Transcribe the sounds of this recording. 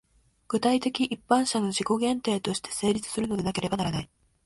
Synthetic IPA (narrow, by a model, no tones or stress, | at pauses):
ɡ̥ɯ̟t̪ait̪e̞kʲiʔipːãɰ̃ɕano̞ʑiko̞ɡẽ̞nt̪e̞ːt̪o̞ɕi̥t̪ʰe̞̥se̞ːɾʲit͡sɨ̥sɨɾɯ̟no̞d̪e̞nake̞ɾe̞banaɾanai